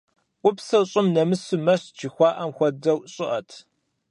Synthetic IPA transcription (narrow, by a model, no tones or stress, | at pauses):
ʔʷʊpsɐwɕʼɪmnɐmɨsɨmɐɕt͡ʃixʷɑːʔɐmxʷɔdɐwɕʼɪʔɐtʰ